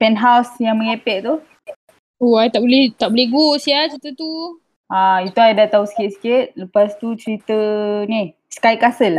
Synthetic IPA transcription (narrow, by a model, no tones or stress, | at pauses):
pɛnɦawsjaŋməŋepɛʔ̚t̪u | oajt̪aʔbolɛht̪aʔbolɛɡosjat͡ʃɾit̪ət̪u | ait̪uajdat̪ausə̥kɪt̪̚sə̥kɪt̪̚ləpast̪ut͡ʃəɾit̪ənih | skajkasəl